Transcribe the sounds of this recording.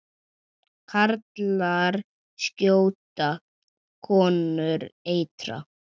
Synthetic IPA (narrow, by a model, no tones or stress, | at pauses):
kʰaɾt̪laɾ | scoːwt̪a | kʰɔːnʏɾeːjt̪ɾa̰